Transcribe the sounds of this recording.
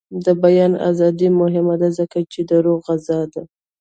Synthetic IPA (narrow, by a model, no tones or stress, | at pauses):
d̪əbajɑna̰zɑd̪imʊɦɪmad̪azəkat͡ʃed̪əɾoɣazɑd̪a